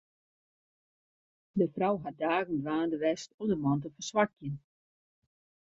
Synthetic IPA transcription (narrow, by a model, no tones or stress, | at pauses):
dəfrawɦat̚daːɣən̩dʋaːndəʋɛstɔdəmɔnt̬əfərsʋakjən